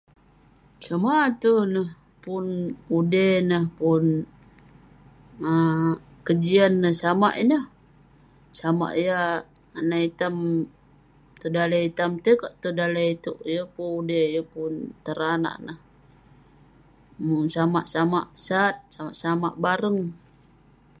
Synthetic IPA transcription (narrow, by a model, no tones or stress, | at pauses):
samat̪unəh | punudenəhpʊn | ə | kəd͡ʒianːəhsama̰ʔinəh | sama̰ʔja | anait̪am | t̪ədalait̪amt̪ekaʔt̪udalait̪uʔjəpuudejəpʊnt̪əɾana̰ʔnəh | muŋsamaʔsama̰ʔsat̪̚sama̰ʔsama̰ʔbaɾəŋ